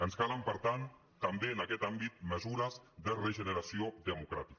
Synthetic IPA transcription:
ənskaləmpəɾt̪an | t̪ambeənakɛt̪ambit̪̚məzuɾəzðərəʒənəɾasioðəmukɾa̰t̪i̥k

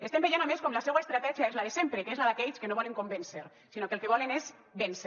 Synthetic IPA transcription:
est̪embejenameskɔmlasɛɣwaest̪ɾat̪ɛʒiaezlaðesempɾekezlaðakɛʎskenoβɔleŋkombenseɾ | sinokelˠkeβ̞ɔlenez | bens

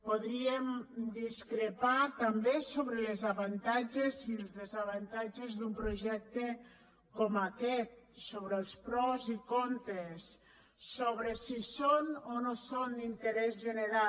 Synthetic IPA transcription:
poðɾiemd̪iskɾepat̪ambesoβɾəlezaβant̪ad͡ʒezilˠzðezaβ̞ant̪ad͡ʒezðumpɾoʒɛk̚t̪e | komakɛt̪̚soβɾəːlˠspɾɔwzikont̪esː | oβ̞ɾesisononosond̪int̪eɾɛzʒəneɾa

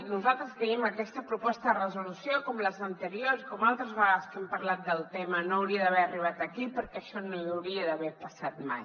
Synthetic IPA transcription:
nuzalˠt̪ɾəskəiməkɛst̪əpɾupɔst̪əðərəzulusjokɔmləzənt̪əɾioɾsikɔmalˠt̪ɾəzβəɣaskɛmpəɾlat̪̚d̪əlˠt̪ɛmənoəwɾiəðəβɛəriβ̞at̪əkipəɾkɛːʃɔnoiawɾiəðəβɛpəsat̪maj

